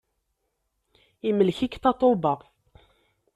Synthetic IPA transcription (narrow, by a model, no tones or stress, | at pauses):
iməlçikθɑt̪ˤobɑ